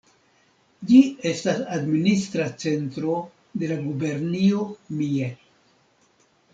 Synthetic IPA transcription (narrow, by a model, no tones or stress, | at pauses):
d͡ʒie̞stasadministɾat͡se̞ntɾo̞ | de̞laɡube̞ɾnio̞mie